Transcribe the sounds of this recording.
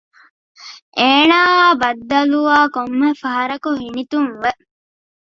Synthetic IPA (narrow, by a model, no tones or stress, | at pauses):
ʔeːnaːʋaːbɐd̪ːɐluaːkomːefɐɦɐɾɐkuɦinit̪uŋʋe